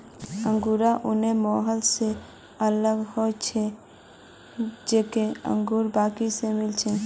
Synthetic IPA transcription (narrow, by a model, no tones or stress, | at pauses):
ə̃ŋɡuɾaʔʊnemɔːɦəlse | ələɡhot͡ʃʰe | d͡ʒeːkeə̰̃ŋɡuːɾbaːkisemɪlt͡ʃʰɛ